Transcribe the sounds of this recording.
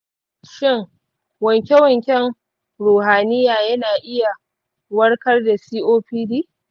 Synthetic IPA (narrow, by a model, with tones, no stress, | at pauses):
ʃɪ˦ŋ | wɐ˨ŋkʲe˦wɐ˨ŋkʲɛ˦ŋ | ɾuː˨haː˨nɪ˦jaː˨jɐ˦naː˨ʔɪ˦ja˨ | wɐ˦rkɐ˦rda˨siː˦ʔoː˦ɸiː˦diː˦